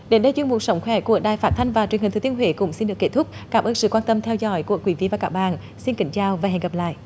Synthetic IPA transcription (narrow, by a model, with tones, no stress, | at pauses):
ɗe˨˦nɗə˧jt͡ɕwi˧nmṵ˨˧˩t̚sə˨˦wŋ͡mxwɛ˨˦ku˧˩˦əɗaː˨˩jfaː˦˥t̚t̪ʰa˧jŋ̟vaː˨˩t͡ɕŋi̟˨˩t̪ɨ˨˩t̪ənɦwḛː˧˨˦kʊ̰˧˥ŋ͡msi˧nɗɨ˨˩əkːe˦˥t̪ʰʊ˦˥k͡p̚kaː˨˦˥mʔəː˧nsɨ̰˧˨kwaː˧nt̪ə˧mt̪ʰɛ˧wzɔ̰˧˦jku˧˩əkwi˨˦vḭ˧˨vaː˨˩kaː˦˥k̚ɓa̰ː˧˨n | si˧nkï˧˦ŋ̟t͡ɕaː˧wvaː˨˩ɦɛ̰˨˧˨ŋə˨˩p̚la̰ː˧˨jʔ